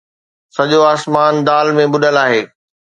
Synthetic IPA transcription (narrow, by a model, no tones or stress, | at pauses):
sɐʄoaːsmaːnd̪aːlmẽbʊɗəlaːɦeː